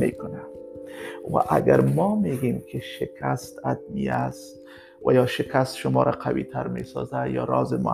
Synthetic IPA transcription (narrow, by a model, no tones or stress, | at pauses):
mḛkʊna | wa̰ʔaɡaɾmɒmeɡemkʰɪʃɪkʰast̪ad̪̚miast̪ | wa̰jɒʃɪkast̪ʃʊmɒːɾaqʰawit̪ʰaɾmesɑzajɒɾɒzɪmʊ̰